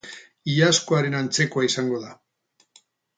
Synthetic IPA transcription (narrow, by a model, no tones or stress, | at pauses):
iaskoaɾe̞nant͡se̞koaisaŋɡo̞ða